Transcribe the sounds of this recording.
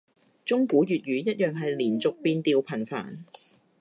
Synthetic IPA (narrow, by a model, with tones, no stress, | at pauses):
t͡sʊ˥ŋkuː˨˥jyː˨˩t̚jyː˨˧jɐ˥t̚jœː˨ŋɦɐ˨jliː˨˩nt͡sʊ˨k̚piː˧nt̪iː˧wpʰɐ˨˩nfa̰ː˨˩n